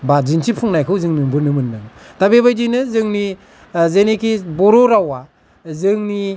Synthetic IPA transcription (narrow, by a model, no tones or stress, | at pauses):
bazinsʰipʰuŋnajkʰɯwzɯŋnɯbɯnɯmɯnːɯŋ | tabeβajdɯjnɯzɯŋni | zenekʰibɔɾɔɾawa | zɯŋni